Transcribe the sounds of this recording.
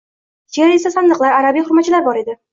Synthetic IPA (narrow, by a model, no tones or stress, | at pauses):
d͡ʒeɾe̞sasand̪ɨqlˠaɾaɾabijχʊɾmat̪t͡ʃʰːɪlaɾbɒɾe̞d̪ɪ